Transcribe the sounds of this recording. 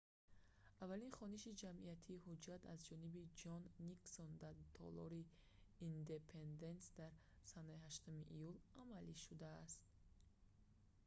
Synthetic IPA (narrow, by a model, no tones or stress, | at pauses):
avːalinχɔniʃid͡ʒamʔiat̪ʰiːɦud͡ʒat̪a̰zd͡ʒɔnibid͡ʒɔnːiksond̪aɾt̪ʰɔ̰lɔɾiː | nd̪e̞pʰe̞nd̪e̞nsd̪aɾ | sanaihaʃt̪umiʔijulamaliʃud̪aːst̪